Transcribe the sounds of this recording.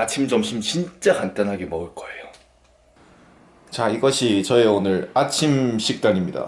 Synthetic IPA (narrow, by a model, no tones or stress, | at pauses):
at͡ɕʰimd͡ʑʌmɕʰimt͡ɕint͡ɕ͈akant͈anɦaɡemʌɯɭk͈ʌejo | t͡ɕaiɡʌɕʰit͡ɕʌeonɯɾat͡ɕʰimɕʰik̚t͈aɲimɲida̰